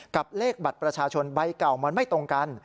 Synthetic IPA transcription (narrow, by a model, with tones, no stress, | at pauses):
ka˨˩p̚leː˥˩k̚ba˨˩t̪̚pɾa˧t͡ɕʰaː˧t͡ɕʰo˧nba˧jka˨˩wma˧nma˥˩jt̪o˧ŋka˧n